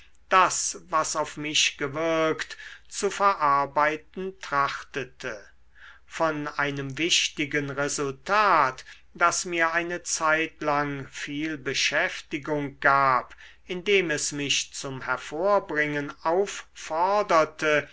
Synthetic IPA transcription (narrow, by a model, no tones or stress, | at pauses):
d̥asvasaʊfmɪʃɡ̥əvɪɐktt͡sufɛɐʔaɐbaɪt̚n̩tʁ̥aχtətʰə | fɔnʔaɪnəmvɪʃtɪɡənʁɛzʊltʰaːt | d̥asmiːɐʔaɪnət͡saɪtlaŋfiːlbəʃɛftɪɡʊŋɡ̥aːp | ɪndeːmɛsmɪʃt͡sʊmhɛɐfoːɐbʁɪŋənaʊfːɔʁdɐtʰə